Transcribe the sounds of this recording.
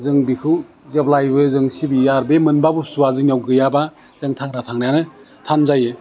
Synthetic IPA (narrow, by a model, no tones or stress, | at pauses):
zɯŋbikʰɯw | zeblajbɯzɯŋsibijaɾbemɯnbabusuazɯnjawɡɯjaba | zeŋtʰaŋɾatʰaŋnajanɯ | tʰanzajɯ